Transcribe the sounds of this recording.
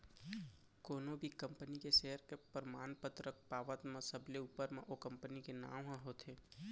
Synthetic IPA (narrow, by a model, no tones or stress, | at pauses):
koːnõbʱikə̃mpənikeʃeːɦəɾkepəɾmaːnpət̪ɾək̚paːʋət̪mə̃səbleuːpəɾmẽʔokə̃mpənikena̰ːwɦãɦoːt̪ʰeː